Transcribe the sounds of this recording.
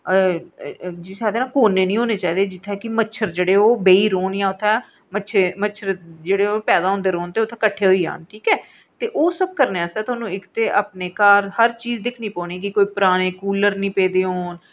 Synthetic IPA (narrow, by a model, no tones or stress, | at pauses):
d͡ʒisaːd̪eːnãːkoːneːnĩːɦoːneːt͡ʃaːiːd̪eːd͡ʒɪt̪ʰːɛːkɪməʃʰəɾd͡ʒeːɽeːoːbeːiːɾoːnjãːʊt̪ʰːɛː | mət͡ʃʰemət͡ʃʰəɾd͡ʒeːɽeːoːpɛːd̪aːɦõːnd̪eːɾoːnt̪eːʊt̪ʰːɛːkəʈʰːeːɦoiːa̰ːnʈʰiːkɛː | t̪eːʔoːsəb̚kəɾneːast̪ɛːt̪ʰoːnũːɪkt̪eːʔaːpneːkaːɾhəɾt͡ʃiːzd̪ɪkʰnĩːpɔ̃ːniːkɪkoːiːpəɾaːñeːkuːləɾnĩːpeːd̪eːɦoːn